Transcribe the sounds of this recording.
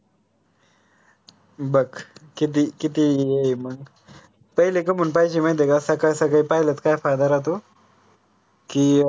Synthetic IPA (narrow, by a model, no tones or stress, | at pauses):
bəkkit̪̬ikit̪ijejməɡ | pəɦilek̬əm̤ənpaid͡ʑimajd̪ekasakajsakaipaɦilət͡s̪kajfajd̪aɾat̪o | kiː